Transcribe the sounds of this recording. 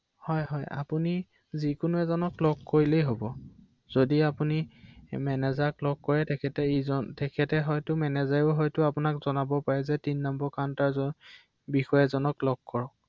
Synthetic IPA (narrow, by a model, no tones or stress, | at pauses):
hɔjɦɔja̰puni | zikʊnʊɛzɔnɔklɔɡkoɹilejɦobɔ | z̥odiapunimɛnɛzaklɔɡ̚kɔɹɛtɛkʰɛtɛizɔntɛkʰɛtɛɦɔjtʊmɛnɛzajʊɦɔjtʊapʊnakzɔnabɔpaɹɛzɛtinːɔmbɔɹkantaɹzɔ | bixɔjɛzɔnɔklɔɡ̚kɔɹɔk̚